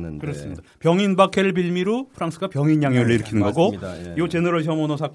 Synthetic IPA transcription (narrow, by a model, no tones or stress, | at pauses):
kɯɾʌs͈ɯmɲidapjʌŋinbakʰeɾɯɭp̬iɭmiɾupʰɯɾaŋs͈ʰɯɡapjʌŋinjaŋjoɾɯɭiɾɯkʰinɯnɡʌɡoiot͡ɕenɯɾʌɭɕʰjʌmonosʰa